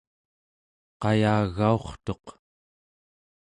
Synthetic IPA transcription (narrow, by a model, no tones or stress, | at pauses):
qɑjaːɣːao̞χt̪o̞q